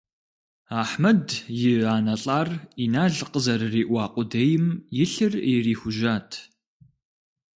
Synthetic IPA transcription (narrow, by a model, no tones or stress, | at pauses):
aːħmɐdjɪaːnɐɬʼaːriːnaːɮqəzɐrɨriːʔʷɑːqʷʼʊdejɪmjɪɬɨrɪriːxʷʊʒaːtʰ